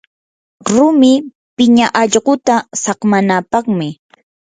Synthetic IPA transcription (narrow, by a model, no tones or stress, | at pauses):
ɾʊmɪ | pɪɲaʔɑʎɢʊt̪asɑqmanapɑχmɪ